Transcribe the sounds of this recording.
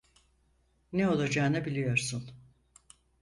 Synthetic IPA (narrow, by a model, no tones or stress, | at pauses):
nɛo̞lˠad͡ʒaːnɯbilʲijo̞ɾsun